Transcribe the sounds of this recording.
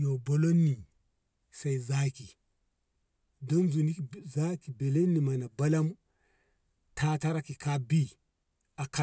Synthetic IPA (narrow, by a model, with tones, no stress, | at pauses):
no˨bo˦lo˦nːi˨ | sa˦i˨za˦ki˨ | do˦mzu˨ni˦kza˦ki˨be˨le˦nːi˨ma˨na˨ba˦la˦m | tʰa˦ta˦ɾa˦ki˨ka˦bi˦ | a˨ka˦˨